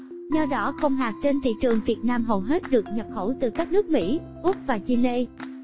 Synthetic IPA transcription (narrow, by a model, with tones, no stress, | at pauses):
zɔ˧ɗɔ˨˦xə˧wŋ͡mɦaː˨˩k̚t͡ɕe˧nt̪ʰḭ˧˨t͡ɕɨ˨˩əŋvi˨˩ət̚naː˧mɦə˨˩wɦe˦˥t̚ɗɨ˨˩ək̚ɲə˨˩p̚xə˧˩wt̪ɨ˨˩kaː˦˥k̚nɨ˦˥ək̚mḭ˧˥ | ʔʊ˦˥p̚vaː˨˩t͡ɕi˧le˧